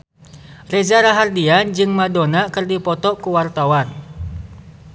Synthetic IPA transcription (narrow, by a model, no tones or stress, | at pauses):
red͡ʒaɾaɦardiand͡ʒɨŋmadonakɨrdipɔt̪ɔkuwart̪awan